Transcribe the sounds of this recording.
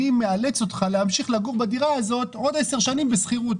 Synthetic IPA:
imealet͡so̞t̪χaleamʃiχlaɡuʁbad̪iʁaazo̞t̪o̞dese̞ʁʃanimbesχiʁut

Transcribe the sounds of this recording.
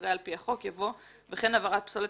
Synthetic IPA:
ʁealpiaχo̞kjavo̞ | veχenavaʁat̪̚psole

